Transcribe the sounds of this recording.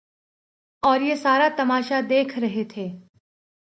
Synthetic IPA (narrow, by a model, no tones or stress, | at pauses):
ɔːɾjesaːɾat̪ɐmaːʃad̪eːkʰɾɐɦet̪ʰeː